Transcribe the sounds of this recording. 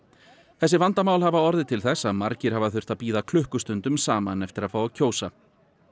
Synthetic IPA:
θɛsːɪvant̪amaːwlhavaɔɾðɪt̪ʰɪlθɛsːaðmaɾcɪɾ̥havaθʏr̥t̪apiːðakʰlʏhkʏst̪ʏnt̪ʏmsaːmanɛft̪ɪɾaðfaːwacʰoːwsa

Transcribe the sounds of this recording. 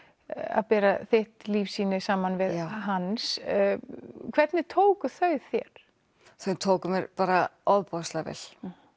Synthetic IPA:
a̰ðpɛːɾaθɪht̪liːfsiːnɪsaːmanvɪðaɦans | kʰv̥ɛt̪nɪt̪ʰoːwkʏθœɥθjɛ̰ɾ̥ | θœɥt̪ʰoːwkʏmɛɾpaːɾaɔðpɔst̪lavɛ̰l̥

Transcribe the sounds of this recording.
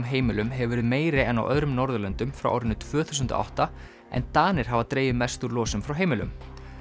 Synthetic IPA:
mɦeːjmɪlʏmɦɛvvɛɾʏðmeːjɾɪɛna̰wʔœ̰ðɾʏmnɔɾðʏlɛnt̪ʏmfɾa̰wʔa̰wɾɪnːʏt̪ʰv̥œːθu̥s̬ʏnt̪ʊ̰a̰wht̪a | ɛ̰nt̪aːnɪɾ̥ɦavat̪ɾeːjvɪmɛst̪uɾlɔːsʏmfɾawɦeːjmɪlʏ̰m

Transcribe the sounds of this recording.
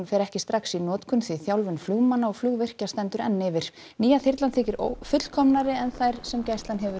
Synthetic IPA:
nfɛːɾɛhcɪst̪ɾaksinɔːt̪kʰʏnθviθjawlvʏnfluːɣmanːaɔɣfluːɣvɪr̥cast̪ɛnt̪ʏɾɛnːɪvɪɾ̥ | niːjaθɪrt̪lant̪θɪːcɪɾofʏt̪l̥kʰɔmnaɾɪɛnθajɾ̥sɛmcajst̪lanɦɛvʏ

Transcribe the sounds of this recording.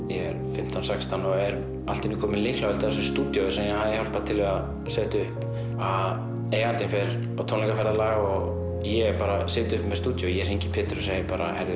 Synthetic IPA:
jɛɛɾfɪm̥t̪ʰawnsakst̪ʰanːɔɛɾ | alt̪ɪnukʰɔːmɪnlɪhklawvɛlt̪ːɛs̬ʏst̪uːt̪jɔsɛmjɛhaːðɪhawl̥paɾt̪ʰɪlvɛɣa | sɛːt̪ʏhp | að | eːjɣant̪ɪnfɛɾ | ɔt̪ʰownɛŋkafɛɾðalaːɣɔɣ | jɛɛpaːɾasɪːt̪ʏhpmɛðst̪uːt̪jɔjɛɾ̥hejɲcɪpʰɪːt̪ɾʏsejpaːɾa̰hɛɾðɪ

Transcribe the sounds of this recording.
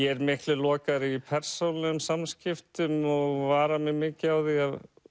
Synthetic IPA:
jɛɛɾmɪhk̪lɪlɔːkaɾipʰɛr̥sowlʏmsamscɪft̪ʏmɔɣvaːɾamɪmɪːcɪawðiað

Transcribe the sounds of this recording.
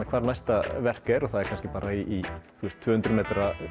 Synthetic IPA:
akʰvaːɾnajst̪avɛr̥kɛɾɔθaðɛɾ̥kʰanskcɪ̥paːɾaiʔiθust̪ʰːvœːhʏnt̪ɾʏmeːt̪ɾa

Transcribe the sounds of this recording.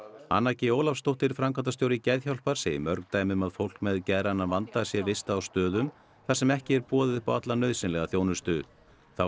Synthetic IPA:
a̰nːacɪoːwlafst̪owht̪ɪɾfɾamkʰant̪ast̪jowɾɪcɛðçawlpaɾ̥sɛɪ̰mœɾkt̪aːjmʏmaðfowl̥kmɛðcɛðɾanːavant̪asjɛvɪst̪aːwst̪œːðʏm | θasɛmɛhcɪɛɾpɔːðɪðhpaat̪lanœːɥðsɪnlɛɣaθjownʏst̪ʏ | θa

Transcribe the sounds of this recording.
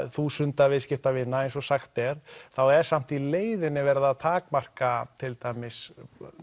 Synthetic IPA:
θusʏnt̪avɪðscɪft̪avɪnːaejnsɔsaxt̪ɛɾ̥θawɛɾ̥sam̥t̪ileːjðɪnːɪvɛɾðaðt̪ʰaːkmar̥kat̪ʰɪlt̪aːjmɪs

